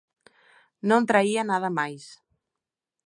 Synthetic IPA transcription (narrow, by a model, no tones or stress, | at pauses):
nont̪ɾaianaðəmajs